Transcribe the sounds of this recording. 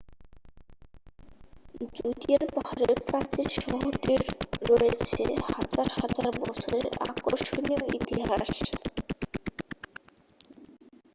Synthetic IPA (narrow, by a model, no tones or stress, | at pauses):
d͡ʑuʈieɾpɔhaɾeɾpɾat͡ɕiʃɔɦoʈiɾːoet͡ɕʰḛhad͡ʑaɾhad͡ʑaɾbɔt͡ɕʰoɾḛa̰koʃonijoit̪iɦaʃ